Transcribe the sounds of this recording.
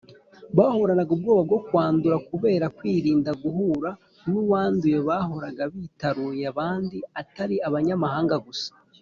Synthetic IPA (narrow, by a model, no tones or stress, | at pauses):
βaːho̞ɾanaɡub̚ɡo̞ːβab̚ɡo̞kwaːnduɾakuβe̞ːɾakwiːɾiːndaɡuɦuːɾa | nuwaːnduje̞βaːɦo̞ɾaɡaβiːtaɾujaβaːndiataɾiaβaɲamaɦaːŋɡaɡusḁ